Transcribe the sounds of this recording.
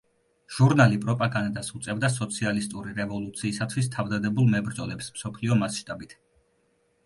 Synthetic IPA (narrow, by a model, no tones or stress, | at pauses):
ʒ̥uɾnalipʼɾɔpʼaɡand̪asut̪sʼɛvd̪as̬ɔt̪sʰialist̪ʼuɾiɾɛvɔlˠut̪sʰiːsat̪ʰwist̪ʰavd̪ad̪ɛbulˠmɛbɾd̪zɔlɛpsmsɔpʰliɔmasʃt̪ʼabit̪ʰ